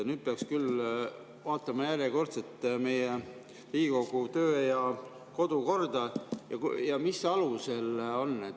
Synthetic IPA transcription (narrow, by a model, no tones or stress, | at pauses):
nyːd̪̥̚peɑkskyl | vɑːt̪ːˑɑmɑjærjeko̞rt̪set̪ːme̞je | riːko̞ɡ̥ut̪øːjɑ | ko̞d̪̥uko̞rd̪ɑjɑ̰kjɑmisɑluse̞lo̞nːet̪